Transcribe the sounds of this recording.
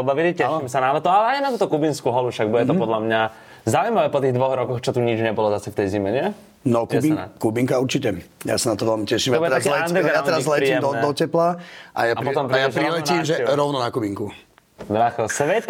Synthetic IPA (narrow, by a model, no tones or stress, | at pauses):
ɔbaʋilicɛʃiimɛsanalɛt̪ɔalɛajnat̪uːt̪ɔkubinskuːɦɔlufʃaɡbuɟɛt̪ɔpɔd̪lamɲa | zaujmaʋɛpɔt̪iːɣd̪ʋɔɣɾɔkɔxt͡ʃɔt̪uɲid͡ʒɲɛbɔlɔzasɛkt̪ɛjzimɛɲɪɛ | nɔkɛbinakubiŋkauɾt͡ʃicɛja̰sanat̪ɔʋɛlmicɛʃimɔbuɛɾakːɛlɛand̪ɾɡɾjat̪ɛɾazzlɛɾiːmɛmd̪ɔnɛd̪ɔcɛplaʔa̰jaapɔt̪ɔmpɾajaʒpɾilɛnimʒɛɾɔʊnɔnakubiŋku | b̪ɾaxɛsʋɛt̪